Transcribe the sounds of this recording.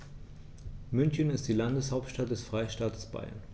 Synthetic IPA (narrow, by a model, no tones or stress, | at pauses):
mʏnçənɪstd̥iːlandəshaʊp̚tʃtat̚d̥ɛsfʁ̥aɪʃtaːtʰə̥sb̥a̰ɪɐ̰n